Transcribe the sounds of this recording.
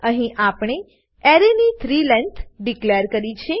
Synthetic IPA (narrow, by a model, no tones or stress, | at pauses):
əɦĩʔapɳ̃e | ɛɾenit̪ʰɾilɛnt̪ʰɖikleɾkəɾit͡ʃʰe